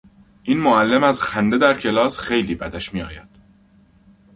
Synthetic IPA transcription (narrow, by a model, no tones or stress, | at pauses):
ʔiːnmoælːe̞mæzxænd̪e̞d̪æɾcʰe̞lɒːsxe̞jliːbæd̪æʃmiːɒ̰ːjæd̪̥